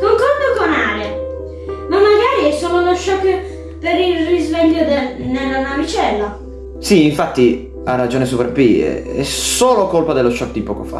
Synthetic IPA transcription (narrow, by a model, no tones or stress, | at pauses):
koŋkɔlbokonaːɾe | mamːaɡaːɾiɛsːoːloloʃːɔkː | peɾilrizvɛʎːjod̪enelːanavit͡ʃɛlːo | siːɱfat̪ːi | arːad͡ʒoːnes̬upɛɾpiɛ̰ɛ̰soːlokolpad̪elːoʃɔk̚d̪ipɔːko̰fa̰